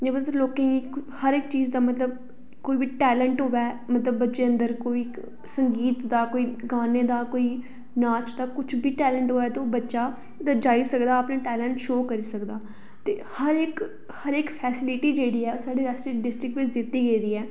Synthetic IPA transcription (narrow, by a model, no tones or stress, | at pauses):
d͡ʒeːbət̪təɾloːkẽːiːkhəɾɪkt͡ʃiːzd̪aːmət̪ləb̚ | koːiːbiːʈɛːlə̃ɳʈɦoːʋɛːmət̪ləbːətːʃeːə̃nd̪əɾkoːiː | səŋɡiːt̪d̪aːkoːiːɡaːneːd̪aːkoːiː | naːt͡ʃd̪aːkʊt͡ʃʰbʱiːʈɛːləɳʈɦoːɛːt̪eoːbətːʃaː | d̪əd͡ʒaːisəkd̪aːəpnãːʈɛːləɳʈʃoːkəɾiːsəkd̪aː | t̪eːhəɾɪk | həɾɪkpʰɛːsɪlɪʈiːd͡ʒeːɽiːɛːsaːɖeːɾəsʈɪʈ̚ɖɪsʈɾɪkʋɪt͡ʃd̪ɪt̪ːiːɡed̪iːɛː